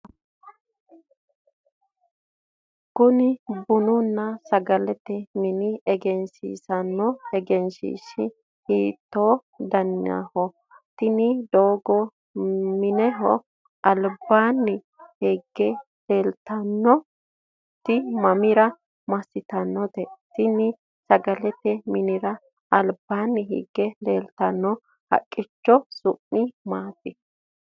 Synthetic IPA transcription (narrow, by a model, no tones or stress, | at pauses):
kʊnɪbʊnʊnːɐsɐɡɐlɛt̪ɛmɪnɪɛɡɛnsḭːsɐnːɔhɛɡɛnsḭːʃɪ | hiːt̪ːoː | d̪ɐnja̰hɔ | t̪ɪnɪd̪oːɡɔ | mɪnɛɦɔ̰ | ɐlbːaːnːɪ | hiɡːɛ | leːlt̪ɐnːɔ | t̪ːɪmɐmɪɾɐ | mɐsɪt̪ɐnːɔd̪ɛt̪ɪnɪ | sɐɡɐlɛt̪ɛmɪnɪɾɐ | ɐlbːaːnːɪɦḭɡːɛleːlt̪ɐnːɔ | hɐ̰kʼːɪt͡ʃːɔsʊmːɪmaːt̪ːɪ